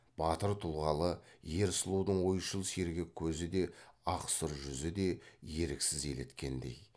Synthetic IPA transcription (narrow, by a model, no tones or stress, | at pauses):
b̥ɑt̪əɾt̪ʰʊlˠʁɑlˠəje̞ɾsəlˠud̪əɴwo̞jʃəlˠse̞ɾɡʲɪkʲʰɵzɪd̪e̞ɑqsəɾʒʏzɪd̪e̞je̞ɾɪksɪze̞le̞t̪kʲe̞nd̪e̞̰j